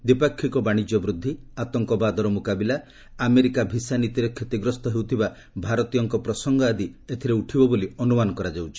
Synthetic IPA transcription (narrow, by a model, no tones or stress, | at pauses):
d̪ipakʰːikɔbaɽ̃id͡ʒjɔbɾud̪ʱːiat̪ɔŋkɔbad̪ɔɾɔmukabilaː | meɾikabʱisanit̪iɾɔkʰːet̪iɡɾɔst̪ɔɦewt̪ʰiba | bʱaɾɔt̪ijɔŋkɔpɾɔsɔŋɡɔad̪iet̪ʰiɾeuʈʰibɔboliɔnumanɔkɔɾad͡ʒawt͡ʃʰi̥